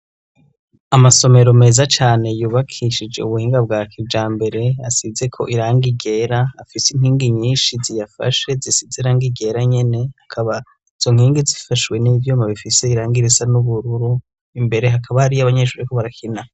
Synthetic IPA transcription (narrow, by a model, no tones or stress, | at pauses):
amaso̞me̞ɾome̞ːzat͡ʃaːne̞juːβakʰiʃid͡ʒe̞̰uβuhiːŋɡab̚ɡaːkʰibd͡ʒaːmbe̞ɾe̞asize̞kʰo̞̰ʔiɾaːŋɡiɡe̞ːɾaafisinhiːŋɡiɲiːnʃizijafa̰ʃe̞zisizeɾaːŋɡiɡe̞ːɾaɲe̞ne̞hakʰaβa | iz̥o̞ŋhiːŋɡizifaʃwe̞nivjoːmaβifise̞iɾaːŋɡiɾizanuβuɾuɾu | imbe̞ɾe̞ɦakʰaβahaɾiaβaɲeʃuːɾikoβaɾakʰina